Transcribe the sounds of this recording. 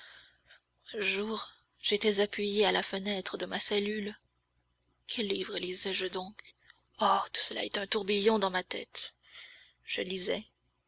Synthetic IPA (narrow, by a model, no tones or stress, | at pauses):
ɛ̃ʒuːʁ | ʒ̥et̪ɛzapɥijealafənɛt̪χəd̪əmasɛlyl | kʲʰɛlːivʁəlizɛʒəd̪ɔ̃k | ot̪u̥səla̰ɛt̪ɛ̃t̪uʁbijɔ̃d̪ɑ̃mat̪ɛ̰t̪ | ʒ̥əlizɛ